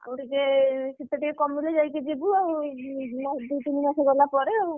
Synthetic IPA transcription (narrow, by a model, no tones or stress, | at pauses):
a̰wʈikeit̪ːaʈikekɔmuled͡ʒajked͡ʒebuawmɔsd̪ut̪inimaseɡɔlapɔɾeaw